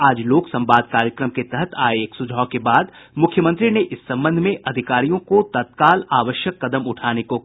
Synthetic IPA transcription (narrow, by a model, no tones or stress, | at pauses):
aːd͡ʒloːksɐ̃mbaːd̪̚ʱkaːɾjəkɾəmket̪ɛɦət̪ʰa̰ːeeːksʊd͡ʒʱaːkebaːd̪ | mʊkʰjəmə̃nt̪ɾineʔɪsːɐ̃mbə̃nd̪ʱmẽʔɐd̪ʱɪkaːɾijõkot̪ɐt̪kaːlaːʋəʃjəkːɐd̪əmʊʈʰaːneko